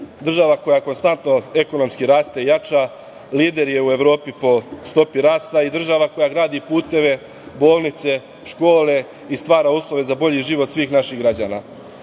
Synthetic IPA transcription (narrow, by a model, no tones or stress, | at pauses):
d̪r̩ʒaʋako̞jako̞nst̪ant̪no̞e̞ko̞no̞mskiɾaːst̪eijat͡ʃa | liːd̪e̞ɾje̞ue̞ʋɾo̞ːpipo̞st̪o̞piɾaːst̪aid̪r̩ʒaʋako̞jaɡɾaːd̪ipuːt̪e̞ʋe̞ | bo̞ːlˠnit̪se̞ | ʃko̞ːle̞ | ist̪ʋaːɾauslˠo̞ʋe̞zabo̞ʎiʒiʋo̞t̪sʋiːxnaʃiɣɡɾad͡ʑa̰ːnaː